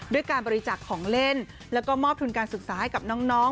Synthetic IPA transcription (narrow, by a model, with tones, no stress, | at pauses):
du˥˩əjkaː˧nbɔː˧ɾi˧t͡ɕaː˨˩kʰːɔː˩˦ŋle˥˩n | lɛ˦˥wkɔː˥˩mɔː˥˩p̚t̪u˧nkaː˧nsɯ˨˩k̚saː˩˦ha˥˩jka˨˩p̚nɔː˦˥ŋnɔː˦˥˩